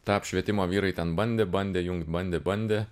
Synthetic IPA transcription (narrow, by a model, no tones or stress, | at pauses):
t̪ɑːpʃʲʋʲiɛt̪ʲɪmoːʋʲiːɾɐɪt̪ʲɛnbɐnʲd̪ʲeːbɐnʲd̪ʲeːjʊŋkt̪̚ʲbɐnʲd̪ʲeːbɐnʲd̪ʲeː